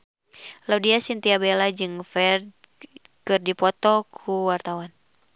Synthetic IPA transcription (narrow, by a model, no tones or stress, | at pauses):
laudiasint̪iabelad͡ʒɨŋfɛr | kɨrdipɔt̪ɔkʰuwart̪awan